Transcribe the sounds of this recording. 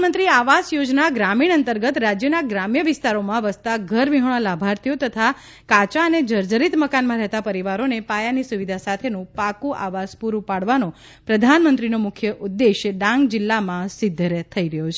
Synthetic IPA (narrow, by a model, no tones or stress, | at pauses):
mənt̪ɾiaʋasjod͡ʒnaɡɾamiɽ̃ənt̪əɾɡət̪ɾad͡ʒjənaɡɾamjəʋɪst̪aɾomãʋəst̪aɡʱəɾʋiɦəɭ̃ə̃labʱaɾt̪ʰijot̪ət̪ʰa | kat͡ʃaəned͡ʒəɾd͡ʒəɾit̪məkanmãɾɛɦt̪apəɾiʋaɾonepajanisuʋid̪ʱasat̪ʰenũpakuʔa̰ʋaspuɾupaɽʋanõ | pɾəd̪ʱanmənt̪ɾinomʊkʰjəʔud̪ːeʃɖãŋɡd͡ʒɪlːamãsɪd̪ʱːɾet̪ʰəiɾəɦjot͡ʃʰ